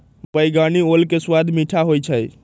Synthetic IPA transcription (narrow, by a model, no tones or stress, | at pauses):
bəjɡaniolkeswad̪ʱmiʈʰaɦojt͡ʃʰəj